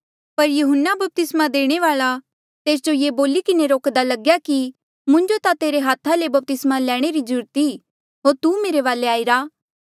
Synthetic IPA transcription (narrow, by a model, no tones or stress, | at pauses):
pɐɾjʊɦənːabɐp̚t̪ɪsmad̪eːɽ̃eʋaːɭa | t̪eːsd͡ʒojeːboːlikɪneɾoːkd̪alɐɡjaki | mʊ̃ɲd͡ʒot̪at̪eːɾeɦaːt̪ʰːalebɐp̚t̪ɪsmalɛːɽ̃eɾid͡ʒʊɾt̪i | ɦoːɾt̪umeːɾeʋaːleaːiɾaː